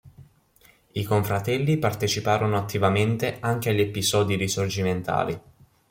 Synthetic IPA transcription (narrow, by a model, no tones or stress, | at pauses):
ikoɱfɾat̪ɛlːipart̪et͡ʃipaːɾonoat̪ːivament̪eaŋk̟eaʎːepizɔːd̪iɾisord͡ʒiment̪a̰ːli